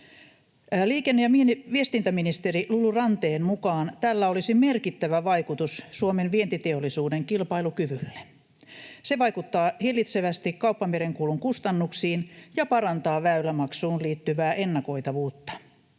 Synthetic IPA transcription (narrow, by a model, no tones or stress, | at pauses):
liːkenːejɑmienʋiest̪int̪æminist̪erilulurɑnt̪eːmmukɑːnt̪ælːæolisime̞rkit̪ːæʋæʋɑikut̪ussuomenʋient̪it̪eolːˑisuːdeŋkilpɑilukyʋylːe | se̞ʋɑjkut̪ːɑːhirlːit̪seʋæst̪ikkɑupːɑmeɾeŋkuːluŋkust̪ɑnːuksiːnjɑpɑɾɑnt̪ɑːʋæylːæmɑksuːnliːt̪ːyʋæːʔe̞nːɑko̞it̪ɑʋuːt̪ːɑ̥